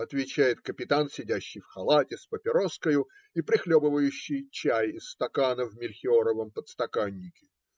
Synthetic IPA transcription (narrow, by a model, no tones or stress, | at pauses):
ɐt̪vʲɪt͡ɕæjɪt̪kəpʲɪt̪ansʲɪdʲæɕːɪjfxɐlˠatʲɪspəpʲɪɾo̞skəjʊ | ipɾʲɪxlʲobɨvəjʉɕːɪjt͡ɕæjɪsst̪ɐkanəvmʲɪlʲxʲɪoɾəvəmpət̪st̪ɐkanʲːɪkʲɪ̥